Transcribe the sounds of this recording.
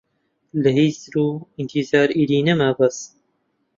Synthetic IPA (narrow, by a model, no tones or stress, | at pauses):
lɐɦiːzɾuːint̪ʰizaːɾiːɾiːnɐmabɐs